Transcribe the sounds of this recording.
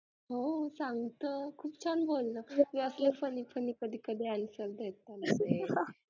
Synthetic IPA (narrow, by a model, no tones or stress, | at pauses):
ɦosãŋɡt̪əkʰuːpt͡ɕʰanbʱolnaʋiəsleɾfənipʰəniːkəd̪ʱiːkəd̪ʱeanusəɾd̪ʱet̪anse